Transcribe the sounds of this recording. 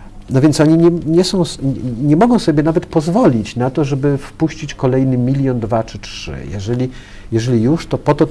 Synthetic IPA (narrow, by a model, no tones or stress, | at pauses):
nɔvʲjɛnt̪sɔɲiɲɛɲɛsɔ̃w̃sɲɛmɔɡɔ̃w̃sɔbʲjɛnavɛt̪pɔzvɔlʲit͡ɕnat̪ɔʐɛbɘfpuɕt͡ɕit͡ɕkɔlɛjnɘmʲilʲjɔnd̪vat͡ʂɘt͡ʂʂɘ̰jɛ̰ʐɛlʲi | jɛʐɛlʲijuʂt̪ɔpɔt̪ɔ